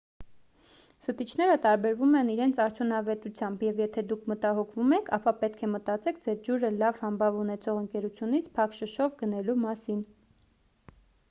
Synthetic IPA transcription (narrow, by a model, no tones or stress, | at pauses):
sət̪it͡ʃʰnɛɾət̪ɑɾbɛɾvumɛniɾɛnt͡sʰɑɾt̪ʰjunɑvɛt̪ut͡sʰjɑmbjɛvjɛt̪ʰɛd̪ukʰmət̪ɑɦɔkʰvumɛkʰɑpɑpɛt̪̚kʰɛmət̪ɑt͡sɛkʰd͡zɛɾd͡ʒuɾəlɑv̥hɑmbɑvunɛt͡sʰɔʁəŋkɛɾut͡sʰjunit͡sʰpʰɑkʃəʃɔvɡənɛlumɑsin